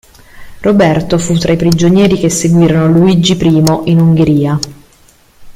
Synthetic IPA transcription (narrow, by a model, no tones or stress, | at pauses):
robɛrt̪ofut̪ːɾaipɾid͡ʒonjɛːɾikesːeɡwiːɾonoluid͡ʒːipɾiːmoʔinuŋɡeɾiːa